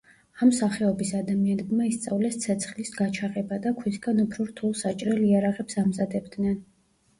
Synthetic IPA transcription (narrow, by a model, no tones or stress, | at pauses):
amsaχɛɔbisad̪amianɛbmaist̪sʼavlɛst̪sʰɛt̪sʰχlisɡat͡ʃʰaqʼɛbad̪akʰwisɡanupʰɾɔɾt̪ʰulˠsat͡ʃʼɾɛliaɾaʁɛpsamzad̪ɛbd̪nɛn